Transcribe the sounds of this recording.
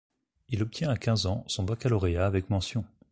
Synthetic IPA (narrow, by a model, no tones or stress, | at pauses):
ilɔp̚t̪ʰjɛ̃akʲɛ̃zɑ̃sɔ̃bakalɔʁeaːvɛkmɑ̃sjɔ̃